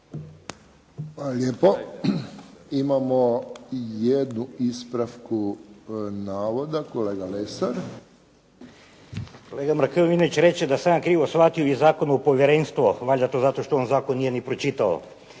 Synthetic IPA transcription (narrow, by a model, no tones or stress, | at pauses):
xʋalaljeːpo | imamojed̪nuispɾafku | naːʋod̪akoleːɡalesaɾ | koleːɡamɾakeoʋinoʋit͡ʃɾe̞t͡ʃed̪asaːnkɾiːʋosʋat̪ioizaːkonuopo̞ʋjeɾenst̪ʋoʋaːʎʲat̪ozat̪o̞ʃt̪oonzaːkonːijenipɾot͡ʃit̪ao̰